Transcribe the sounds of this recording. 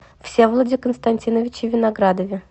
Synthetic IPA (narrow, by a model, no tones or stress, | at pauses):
fsʲevlˠədʲɪkənst̪ɐnʲtʲinəvʲɪt͡ɕɪvʲɪnaɡɾad̪əvʲɪ